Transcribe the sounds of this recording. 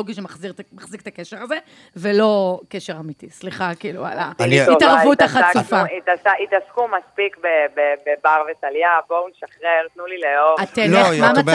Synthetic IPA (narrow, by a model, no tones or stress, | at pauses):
oɡiʃemaχziʁmaχzik̚t̪ake̞ʃe̞ʁaze | velo̞ke̞ʃe̞ʁamitisliχakiːlṵa̰laitaʁvut̪aχatufait̪asait̪askumaspikbebebebaʁvetaljabounʃaχʁeʁt̪nulileovat̪elemama